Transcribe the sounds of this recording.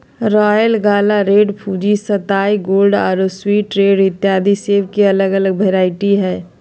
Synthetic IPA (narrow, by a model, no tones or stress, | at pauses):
ɾaːjəlɡaːlaɾeːɖpʰuːd͡ʒisɐt̪aːiɡoːlɖa̰ːɾoswiːʈɾeːɖɪt̪ːjaːd̪iseːʋkiɐləɡələɡ̚bʱɐɾaːɪʈiɦɛː